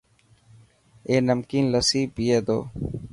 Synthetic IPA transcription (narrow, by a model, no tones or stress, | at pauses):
eːnəmkiːnləsiːbijeːd̪o̰ː